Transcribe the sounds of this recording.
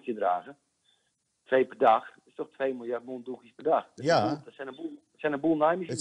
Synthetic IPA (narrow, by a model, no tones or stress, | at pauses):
kjədraːɣə | tʰʋejpədaxtɪstɔxtʰʋeːjmɪlˠjart̚muːndukispɛrdaxdɔsɛnəbu | sɛnənbulˠnajmə